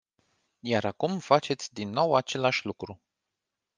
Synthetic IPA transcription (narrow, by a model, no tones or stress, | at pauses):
jaɾakumfat͡ʃe̞t̪sʲd̪inːo̞wat͡ʃe̞laʃʲlukɾu